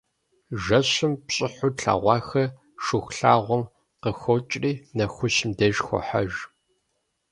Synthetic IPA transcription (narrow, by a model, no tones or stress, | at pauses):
ʒɐɕɪmpɕʼɪħʊɬʰa̰ːʁʷɑːxɐ | ʃʊxʷɬa̰ːʁʷʊm | qəxʷot͡ʃʼriːnɐxʷʊɕɪmdɐʒxʷɔ̰ħa̰ʒ